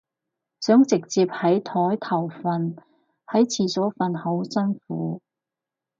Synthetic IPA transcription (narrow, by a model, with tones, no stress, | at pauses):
sœː˨˥ŋt͡sɪ˨k̚t͡siː˧p̚hɐ˨˥jt̪ʰɔː˨˥jt̪ʰɐ˨˩wfɐ˨n | hɐ˨˥jt͡sʰiː˨sɔː˨˥fɐ˧nhɐ˨˥wsɐ˥nfuː˨˥